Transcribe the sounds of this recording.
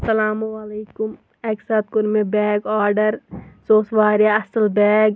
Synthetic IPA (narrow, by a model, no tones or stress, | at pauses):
sɐlaːmuwaleːkʊm | eːksaːt̪̚kʊɾmẽbɛːɡaːɾɖəɾsoːsʋaːɾjaɐsəlbɛːɡ